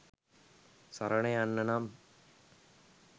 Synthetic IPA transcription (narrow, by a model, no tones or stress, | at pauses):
sɐɾɐɳeanːɐnam